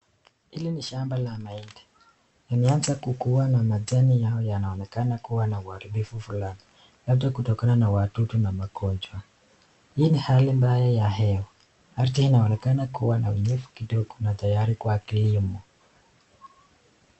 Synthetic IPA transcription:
iliniʃambalamaindɛ̥ | jimɛanzakukuwanamad͡zanijaɔjanaɔnɛkanakuwanauaɾibifufulani | ladakutɔkananawatutunamakɔnd͡ʒwa | hijinihalimbajajaɦɛwɔ | artihinaɔnɛkanakuwanauɲɛfu̥kidɔɡɔ̥nat̪ajaɾikwakilimɔ

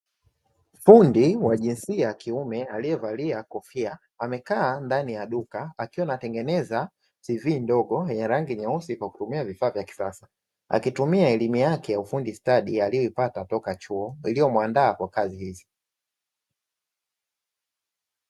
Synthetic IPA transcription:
m̩fundiwaʄinsiakiumɛalijɛvaliakɔfia | amɛkaːndanijaɗukaakiwanatɛŋɡɛnɛza | tivindɔɠɔjaɾaŋɡiɲausikwaku̥tumiavifaːvjaki̥sasḁ | a̰kitumiaɛlimujakɛjaufundistaɗialijɔipatatɔkat͡ʃuɔilijɔmwandaːkwakazihizi

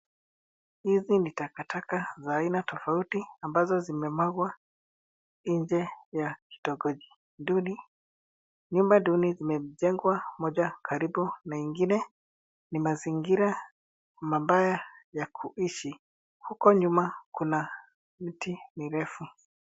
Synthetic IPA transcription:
hizinitakatakazaːinatɔfautiambazɔzimɛmwaɡwa | iɲd͡ʒɛjaki̥tɔɡɔʄi | nduni | ɲumbadunizimɛʄɛŋɡwamɔʄakʰaɾibunaiŋɡinɛ | nimaziŋɡiɾa | mabajajakʰuʔiʃi | hukɔɲumakuna | m̩timiɾɛfu

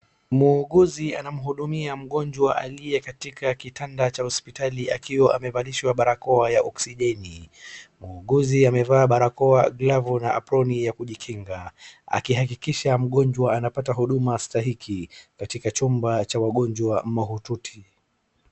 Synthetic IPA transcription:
muːɠuzianam̩ɦuɗumiam̩ɠɔnd͡ʒwaʔaliɛkatikakitʰandat͡ʃahɔspitaliʔakiwɔʔamɛvaliʃwaɓaɾakɔajaʔɔksiʄɛnimuːɠuziamɛvaːɓaɾakɔaɡlavunaʔapɾɔnijakuʄikʰiŋɡaa̰kiɦak̬ikiʃam̩ɠɔnd͡ʒwaanapataɦuɗumastaɦikʰikatikat͡ʃumbat͡ʃawaɠɔnd͡ʒwamaɦututʰi̥

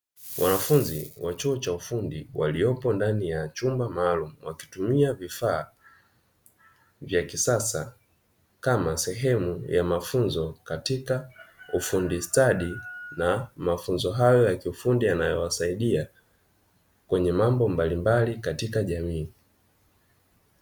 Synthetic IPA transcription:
wʔa̰nafunziwat͡ʃuɔt͡ʃaufundiwa̰liɔpɔndanijat͡ʃumbamaːlumuwaki̥tumiavifaː | vjakisasa̰ | kamasɛɦɛmujamafunzɔkatikaufundistaɗinamafunzɔɦajɔjakiufundianajɔwasaiɗia | kwɛɲɛmambɔmbalimbalikatikaʄamiː

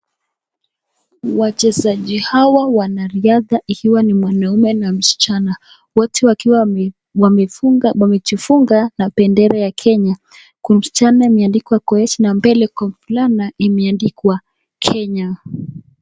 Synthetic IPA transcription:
wat͡ʃɛzaʄihawawanaɾiaðaʔikiwanimwanaumɛnam̩si̥t͡ʃana | wɔtʰɛwa | awamɛt͡ʃifuŋɡanapɛndɛɾɛjakʰɛɲa | kum̩si̥t͡ʃanaimɛandikwakɔɛt͡ʃinambɛlɛkɔmflanaʔimɛandikwa | kʰɛɲa

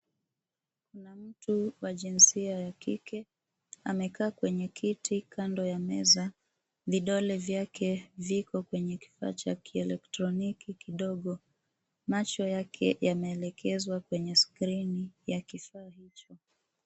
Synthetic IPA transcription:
kunam̩tuwaʄinsiajakikɛ | amɛkaːkwɛɲɛkʰitʰikʰandɔjamɛza | viɗɔlɛvjakʰɛvikɔkwɛɲɛki̥fa̰ːt͡ʃakiɛlɛktɾɔnikikiɗɔɠɔ | mat͡ʃɔjakʰɛjamɛːlɛkʰɛzwakwɛɲɛskɾinijakifaːhit͡ʃɔ

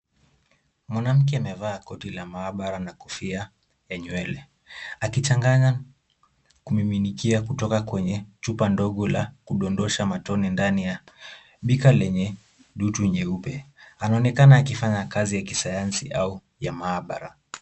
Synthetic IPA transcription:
mwanam̩k̬ɛamɛvaːkɔtilamaːɓaɾanakufia | jaɲwɛlɛ | akit͡ʃaŋɡaɲa | kumiminikiakutɔkakwɛɲɛt͡ʃupandɔɠɔlakuɗɔndɔʃamatɔnindanija | ɓikalɛɲɛ | ɗutuɲɛupɛanaɔnɛkanaːkifaɲakazijakisajansiʔau | jamaːɓaɾa

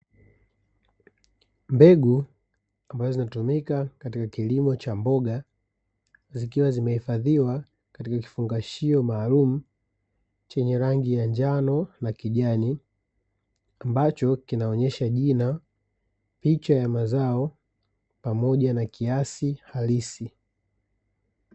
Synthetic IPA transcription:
mbɛɡu | ambazɔzinatumikakatikakilimɔt͡ʃambɔɠa | zikiwazimɛhifaðiwa | katikaki̥fuŋɡaʃiɔmaːlum̩ | t͡ʃɛɲɛɾaŋɡijaɲd͡ʒanɔnakiʄani | ambat͡ʃɔkinaɔɲɛʃaʄina | pit͡ʃajamazaɔ | pamɔʄanakiasihalisi

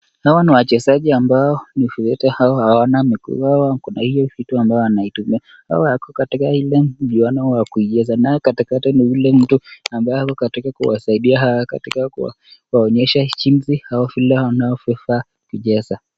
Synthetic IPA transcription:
hawaniwat͡ʃɛzaʄiambaɔnifɛtɛhaɔhawanamikṵawakunahijɔfituambajɔanaitumia | ha̰wahakɔkatikahilɛʄianɔwakuiʄɛzanaɛkatikatiniulɛm̩tuambajɔhakɔkatikakṵwasaiɗiaɦawaka̰tikakṵ | waɔɲɛʃat͡ʃim̩zihaɔvilɛwanaɔfɛfa | kiʄɛza

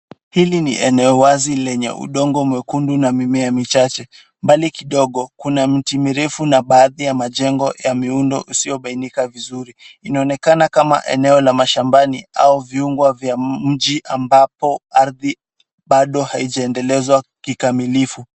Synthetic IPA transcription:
hilinḭʔɛnɛɔwazilɛɲɛ̰ʔṵɗɔŋɡɔmwɛkundunamimɛjamit͡ʃat͡ʃɛ | mbalikiɗɔɠɔkunam̩timiɾɛfunaɓaːðijamaʄɛŋɡɔjamiundɔ̰ʔusiɔɓainikavizuɾiinaɔnɛkanakama̰ʔɛ̰nɛɔlamaʃambaniauviuŋɡwavjam̩ʄiʔambapɔaɾði | ɓaɗɔhaiʄaɛndɛlɛzwakikamilifu

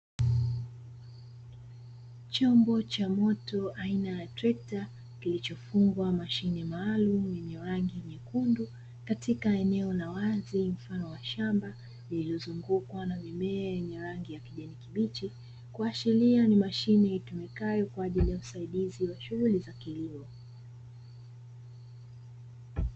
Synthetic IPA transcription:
t͡ʃɔmbɔt͡ʃamɔtɔʔainajatɾɛta | kilit͡ʃɔfuŋɡwamaʃinɛmaːlumjɛɲɛɾaŋɡiɲɛkundu | katikaɛnɛɔnawazim̩fanɔwaʃamba | liliɔzuŋɡukwanamimɛajɛɲɛɾaŋɡijakiʄɛnikiɓit͡ʃi | kuaʃilianimaʃinɛitumɛkajɔkwaːʄilijausaiɗiziwaʃuɣulizakiliɔ

